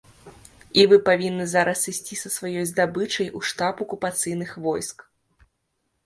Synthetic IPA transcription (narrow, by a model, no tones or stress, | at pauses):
ivɨpavʲinːɨzaɾɐsɨsʲt͡sʲisɐsvajɔjzd̪abɨt͡ʂɐjuʂt̪apɐkupat̪sɨjnɨxvɔjsk